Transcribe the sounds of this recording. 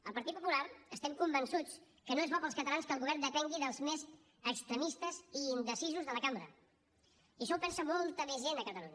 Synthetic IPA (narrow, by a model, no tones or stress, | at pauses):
əlˠpəɾt̪it̪̚pupulaɾəst̪ɛmkumbənsut͡s | kənoezβɔpəlˠskət̪əlanskəlɣuβɛɾnd̪əpɛŋɡiðəlˠzmez | əkst̪ɾəmist̪əziːnd̪əsizuzðələkambɾə̰ | iəʃɔwpɛnsəmɔlˠt̪əmezʒenəkət̪əluɲə